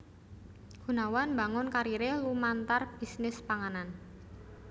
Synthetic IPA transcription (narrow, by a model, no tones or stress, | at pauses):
ɡ̥unawanmbaŋʊnkaɾiɾɪhlumant̪arb̥i̤snɪspaŋanan